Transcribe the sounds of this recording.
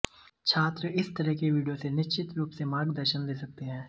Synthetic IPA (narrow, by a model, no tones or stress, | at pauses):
t͡ʃʰaːt̪ɾəɪst̪ɐɾɛɦkeʋiːɖijosenɪʃt͡ʃɪt̪ɾuːpsemaːɾɡd̪əɾʃənleːsɐk̚t̪eɦɛ̃ː